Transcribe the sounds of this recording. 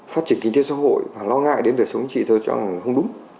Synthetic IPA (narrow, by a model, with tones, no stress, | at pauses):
faː˦˥tt͡ɕi˨˩ənki˧ŋt̪e˦˥sa̰ː˧˥ɦo̰˧˨jvaː˨˩lɔ˧ŋa̰ː˧˨jɗe˨˦nɗəː˨˩jsə˨˦wŋ͡mt͡ɕḭ˧˨t̪ʰə˧˩t͡ɕɔ̰˧˩ŋa˨˩ŋ˨˩xə˧wŋ͡mɗʊ˨˦ŋ͡m